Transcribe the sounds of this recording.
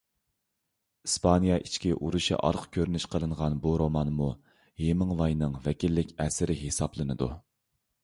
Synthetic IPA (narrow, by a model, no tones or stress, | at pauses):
ispʰɑnjɑʔit͡ʃʰkʲiʔuɾuʃḭʔɑ̰ɾqkʲʰøɾnyʃqʰəlˠɨɴʁɑnbuɾomɑnmu | hemɨŋvɑjnɨŋvɛkʲilːɪkʲɛsɪɾɪɦesɑplˠɨnɨd̪u